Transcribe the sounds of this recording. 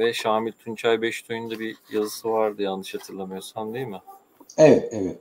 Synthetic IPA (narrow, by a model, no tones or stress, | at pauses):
vɛʃaːmilʲt̪ʰunt͡ʃʰajbɛʃt̪ʰojund̪abijazɯsɯvaɾd̪ɯjanːɯʃhat̪ʰɯɾlˠamɯjo̞sand̪ejilʲmɪ | evɛt̪evɛt̪̚